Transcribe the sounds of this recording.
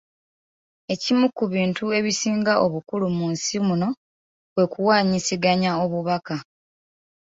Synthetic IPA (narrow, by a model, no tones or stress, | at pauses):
e̞cimukːuβiːntue̞βisiːŋɡaʔo̞βukulumuːnsimuno̞ | βwe̞kuwaːɲisiɡaɲao̞βuβaka